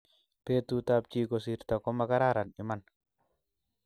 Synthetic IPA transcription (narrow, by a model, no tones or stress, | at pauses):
pet̪ut̪ap̚t͡ʃikos̬iɾt̪akɔmakaɾaɾaniman